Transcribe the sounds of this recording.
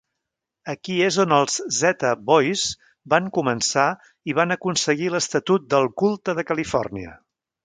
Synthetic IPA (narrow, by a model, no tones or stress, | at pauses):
əkiezonəlˠzzɛt̪əβɔjz | baŋkumənsa | iβanəkunsəɣiləst̪ət̪ut̪̚d̪əlˠkulˠt̪əðəkəlifɔ̰rniə̰